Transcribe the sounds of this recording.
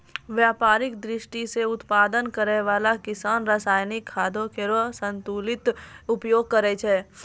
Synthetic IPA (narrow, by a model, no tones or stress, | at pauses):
ʋjaːpaːɾɪkd̪ɾɪʃʈiseʊt̪paːd̪ənkəɾɛʋaːlakɪsaːnɾasaːjnɪkʰːaːd̪ʱõkeɾosə̃nt̪uːlɪt̪ʊpjoːɡ̚kəɾet͡ʃʰɛː